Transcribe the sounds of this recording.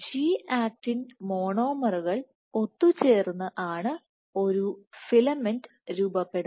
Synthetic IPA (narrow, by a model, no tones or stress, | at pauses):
ɕiːʔaːk̚ʈinmo̞ːɳo̞ːmɐruɣɐɭ | o̞t̪ːut͡ɕe̞ːrunːɐʔaːɳɨ | o̞ɾufilɐmend | ɾuːbɐpːe̞ɽ